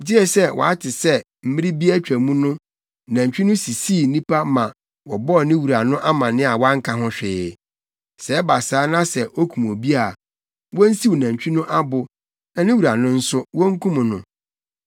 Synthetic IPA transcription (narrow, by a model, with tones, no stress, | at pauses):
di˦ɛ˦sɛ˦wʔɔ̰˨a˦tʰɪ˨sɛ˦ | m̩˦mɪ̃˦ɾɪ˦bi˦æ˦t͡ɕᶣɾæ˨mũ˦nʊ̃˦˨ | nã˨ɲ˨t͡ɕᶣi˦nʊ̃˦si˨siː˦˨nĩ˦pʰa˦mã˨ | wɔ˨bɔ˦˨nɪ̃˦wu˨ɾa˨nʊ̃˦ʔa˦mã˨nɪ̃˦a˨wã˦ŋ̩˦kʰa˨ɦʊ̃˦ɕᶣɪː˨ | sɛ˨˦ba˨saː˨˦nã˦sɛ˨ʔo˦kʰũ˨m˨o˨bi˦a˨ | wɔ̃˦n̩˦si˦wo˨nã˨ɲ˨t͡ɕᶣi˦nʊ̃˦ʔa˦bʊ˨ | nã˨nɪ̃˦wu˨ɾa˨nʊ̃˦n̩˦sʊ˦wɔ˦ŋ̩˦kʰũ˦mʊ̃˨nʊ̰̃˨